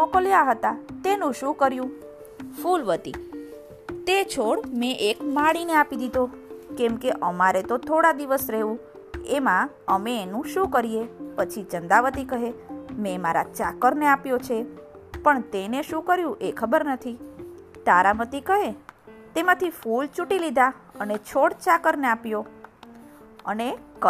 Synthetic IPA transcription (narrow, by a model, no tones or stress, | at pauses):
ɔkəljaɦət̪at̪enũʃũkəɾjũ | fulʋət̪ḭ | t̪et͡ʃʰoɽmẽʔekmaɽineapid̪id̪okɛmkeʔəmaɾet̪ot̪ʰoɽad̪iʋəsɾeɦũ | emã | əmẽːnũʃũkəɾiepət͡ʃʰit͡ʃənd̪aʋət̪ikəɦemẽmaɾa̰t͡ʃakəɾneapjot͡ʃʰe | pəɳt̪eneʃũkəɾjũʔekʰəbəɾnət̪ʰi | t̪aɾamət̪ikəɦet̪emãt̪ʰifult͡ʃuʈilid̪ʱaənet͡ʃʰoɽt͡ʃakəɾneapjo | ənek